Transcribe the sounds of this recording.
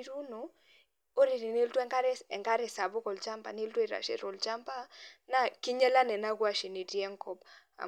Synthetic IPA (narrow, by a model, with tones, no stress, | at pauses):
ɾu˦no˨ | o˦ɾi˨ɾi˨ne˦ltwɛ˦ŋka˦ɾɛ˦ɛ˨ŋka˦ɾɛ˨sa˨bʊ˦kɔ˨lt͡ʃa˦mpa̰˨ne˦ltwe˨ɾa̰˨ʃḛ˦ɾɔ˨lt͡ʃa˦mpa˦na˦kɪ˦ɲɛ˦la˦nɛ˨na˦ɡwa˦ʃi˨ni˨djɛ˦ŋkɔ˦pa̰˨